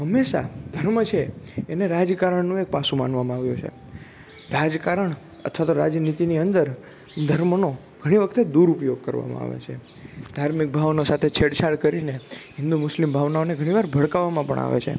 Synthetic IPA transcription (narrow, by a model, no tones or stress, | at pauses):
ɦəmːeʃa̰d̪ʱəɾmət͡ʃʰeeneɾad͡ʒkaɾəɳnũek̚pasũmanʋamãaʋjũt͡ʃʰḛ | ɾad͡ʒkaɾəɳ | ə̰t̪ʰʋat̪oɾad͡ʒnit̪iniənd̪əɾ | d̪ʱəɾməno | ɡʱəɽ̃iʋəkʰt̪ed̪uɾupjoɡ̚kəɾʋa̰mã̰a̰ʋḛt͡ʃʰe | d̪ʱaɾmik̚bʱaʋnosat̪ʰet͡ʃʰeɽt͡ʃʰaɭkəɾineɦɪ̃nd̪umʊslimbʱaʋnaoneɡʱəɽ̃iʋaɾbʱəɭkaʋamãpə̰ɳa̰ʋḛt͡ʃʰḛ